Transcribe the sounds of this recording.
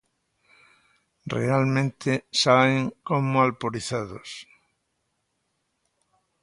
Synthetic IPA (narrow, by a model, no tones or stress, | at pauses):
rḛalmẽnt̪ʰɪsaβeŋkomoalpoɾiθaðos